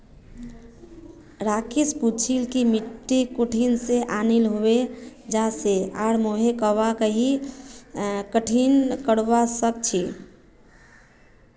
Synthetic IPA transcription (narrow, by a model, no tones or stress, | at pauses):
ɾakisput͡ʃʰilkimiʈːikuʈʰinseʔanilɦoed͡ʒaseaɾmoɦekəʋakəɦi | kəʈʰinkəɽʋasək̚t͡ʃʰi